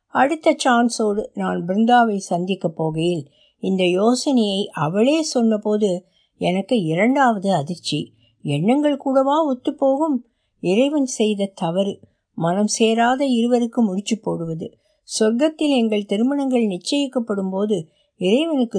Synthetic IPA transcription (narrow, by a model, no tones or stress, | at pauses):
ɐɽɯt̪ːɐt͡ʃaːnsoːɽɯnaːnbɪɾɪnd̪aːʋɐɪsɐnd̪ɪkːɐpːoːɣɐjɪl | ɪnd̪ɐjoːsɐnɐjɐɪʔɐʋɐɭeːsɔnːɐpoːðɯ | ɛnɐkːɯɪɾɐɳɖaːʋɐðɯɐðɪɾt͡ʃːi | ɛɳːɐŋɡɐɭkuːɽɐʋaːɔt̪ːɯpːoːɣɯm | ɪɾɐɪʋɐnsɛjðɐt̪ɐʋɐɾ | mɐnɐmseːɾaːðɐɪɾɯʋɐɾɯkːɯmʊɽɪt͡ʃːɯpːoːɽɯʋɐðɯ̰ | sɐɾɡɐt̪ːɪlɛŋɡɐɭt̪ɪɾɯmɐnɐŋɡɐɭnɪt͡ʃːɐjɪkːɐpːɐɽɯmpoːðɯ | ɪɾɐɪʋɐnɯkːɯ